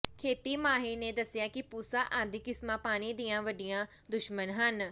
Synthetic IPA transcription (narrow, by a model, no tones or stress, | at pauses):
kʰeːt̪iːmaːɦiːnẽːd̪əsɪjaːkɪpuːsaːʔaːd̪ɪkɪsmãːpaːɽ̃iːd̪ijãːʋəɖijãː | d̪ʊʃmənɦən